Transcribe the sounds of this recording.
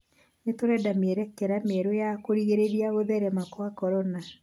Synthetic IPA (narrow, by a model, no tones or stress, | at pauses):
netoɾɛdamiɛɾɛkɛɾamɛɾojakoɾiɣeɾeɾiaɣoðɛɾɛmakwakɔɾɔna